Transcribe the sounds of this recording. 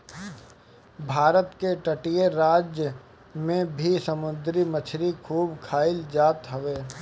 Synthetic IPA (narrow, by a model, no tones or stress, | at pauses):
bʱaːɾət̪keʈəʈijeɾaːd͡ʒjə | mẽbʱisəmʊd̪ɾimət͡ʃʰɾikʰuːbkʰaːɪld͡ʒaːt̪ɦəʋeː